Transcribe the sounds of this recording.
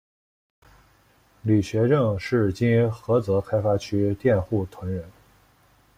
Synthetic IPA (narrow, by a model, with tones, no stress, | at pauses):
li˨˩ɕɥɛ˧˥ʈ͡ʂɤ˥˧ŋʂɻ̩˥˩t͡ɕi˥nxɤ˧˥t͡sɤ˧˥kʰa˥ɪfa˥t͡ɕʰy˥t̪jɛ˥˧nxu˥˩t̪ʰwə˧˥nɻə˧˥n